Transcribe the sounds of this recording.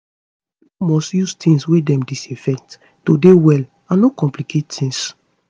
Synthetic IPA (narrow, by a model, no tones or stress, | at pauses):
umɔstjustʰĩŋswedɛ̃mdisefɛk̚t | todewɛl | ãnnokɔ̃mplikʰettĩŋs